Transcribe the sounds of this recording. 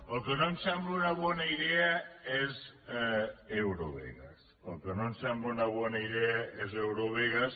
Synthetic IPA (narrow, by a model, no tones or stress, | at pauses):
əlˠkənomsɛmbləunɐβɔnɐiðeəez | ewɾoβḛɣɐ̰s | əlˠkənomsɛmbləunɐβɔnɐiðɛɐezewɾoβeɣɐs